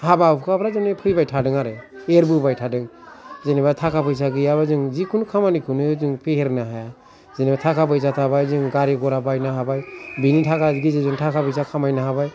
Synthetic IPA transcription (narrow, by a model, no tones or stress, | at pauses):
habapkʰapʰɾazɔnepʰɯjbajtʰadɯŋaɾɯeɾbɯbajtʰadɯŋ | zenibatʰakʰapɯjs̬aɡɯjaβazɯŋzikʰunkʰamanikʰɯnɯzɯŋpʰeheɾnaɦaja | zenibatʰakʰapɯjs̬atʰabajzɯŋɡaɾiɡɔɾabajnaɦabajbinitʰakʰaɡizezɯŋtʰakʰapɯjsakʰamajnaɦabaj